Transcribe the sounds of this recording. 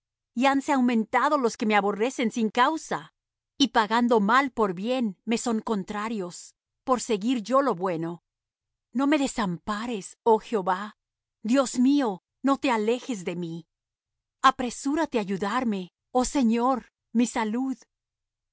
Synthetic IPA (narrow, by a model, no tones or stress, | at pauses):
ianseawmẽ̞nt̪að̞o̞lo̞ske̞meaβo̞re̞se̞nsiŋkawsa | ipaɣand̪o̞malpo̞ɾβje̞nme̞so̞ŋko̞nt̪ɾaɾjo̞s | po̞ɾse̞ɣiɾʝo̞lo̞βwe̞no̞ | no̞me̞ðe̞sampaɾe̞so̞xeo̞βa | d̪jo̞smio̞ | no̞t̪e̞ale̞xe̞zðe̞mi | apɾe̞suɾat̪e̞aʝuðaɾme̞ | o̞se̞ɲo̞ɾ | misaluð